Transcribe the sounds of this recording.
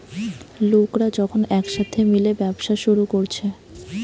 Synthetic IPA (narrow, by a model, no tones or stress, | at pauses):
lokɾad͡ʑɔkʰonɛkʃat̪ʰemilebɛbʃaʃuɾukoɾt͡ɕʰe